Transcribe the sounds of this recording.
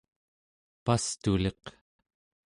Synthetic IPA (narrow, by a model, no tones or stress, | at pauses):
past̪uleq